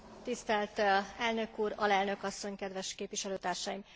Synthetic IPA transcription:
t̪ist̪ɛlt̪ɛlnø̞kuːɾɒlɛlnø̞kɒsːo̞ɲkɛd̪ʋɛʃkeːpvʋiʃɛløːt̪aːrʃaːjim

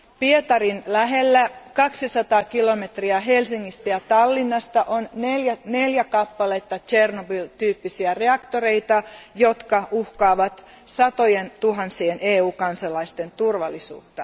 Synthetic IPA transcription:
piet̪ɑrinlæɦe̞lːækɑksisɑt̪ɑːkilo̞me̞t̪riɑɦelsiŋːist̪æjɑt̪ɑlːinːɑst̪ɑʔonneljæne̞ljækɑpːɑlet̪ːɑt͡ʃe̞rnobylt̪yːpːisiære̞ɑkt̪o̞ɾe̞jt̪ɑjo̞t̪kɑuhkɑːʋɑt̪ | sɑt̪o̞jent̪uɦɑnsieneːuːkɑnsɑlɑist̪e̞nt̪urʋɑlːisṵːt̪ːɑ

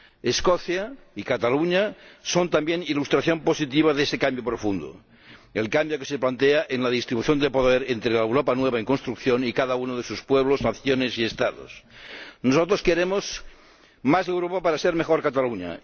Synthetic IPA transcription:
eskoθjaikat̪aluɲasont̪ambjenilust̪ɾaθjo̞mposit̪̬iβaðesekambjopɾofund̪o̰ | elkambjokeseplant̪eaʔenlaðist̪ɾiβuθjond̪epoðeɾent̪ɾelaewɾopanweβ̞aeŋkonst̪ɾukθjonikaðaunoð̞esuspweβloznaθjonesiest̪aðo̰snosot̪ɾoskeɾemos | mazewɾopapaɾaseɾmexoɾkat̪aluɲa̰

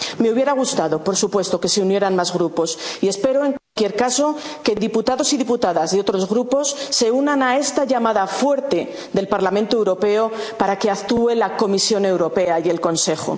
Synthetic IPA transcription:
me̞uβje̞ɾaɣ̞ust̪aðo̞po̞ɾsupwe̞st̪oke̞se̞unje̞ɾanmazɣɾupo̞sie̞spe̞ɾo̞e̞ŋkwalkje̞ɾkaso̞ke̞ðiput̪aðo̞siðiput̪aðazðo̞t̪ɾo̞zɣɾupo̞sːe̞unanae̞st̪aʝamaðafwe̞ɾt̪e̞ | ðe̞lpaɾlamẽnt̪oewɾo̞pe̞o̞paɾake̞akt̪ue̞lako̞misjo̞ne̞wɾo̞pe̞aje̞lko̞nse̞χo̞̰

